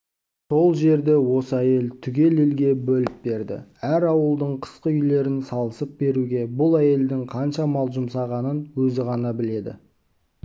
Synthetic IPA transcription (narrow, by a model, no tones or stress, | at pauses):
so̞lˠʒe̞ɾd̪e̞wo̞səæje̞lt̪ʰʏɡʲe̞le̞lɡʲe̞bɵlɪp̚be̞ɾd̪ɪ̰æɾɑwəlˠd̪əɴqʰə̥sqəʏjle̞ɾɪnsɑlˠəsəp̚be̞ɾuɡʲe̞bʊlˠæje̞ld̪ɪŋqʰɑnʃɑmɑlˠʒʊmsɑʁɑnənwɵzɪʁɑnɑbɪle̞d̪ɪ̰